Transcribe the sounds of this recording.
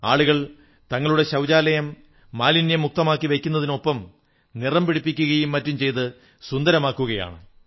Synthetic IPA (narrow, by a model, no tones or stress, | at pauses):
aːɭuɣɐɭ | t̪ɐŋːɐɭuɽe̞ɕɐwd͡ʑaːlɐjɐmː | aːlinjɐmːuk̚t̪ɐmaːkːiʋekʲːun̪ːɐðino̞pːɐm | nirɐmpiɽipːikʲːuɣɐjumːɐtːumt͡ɕe̞jt̪ɨ | sund̪ɐɾɐmaːkːuɣɐja̰ːɳɨ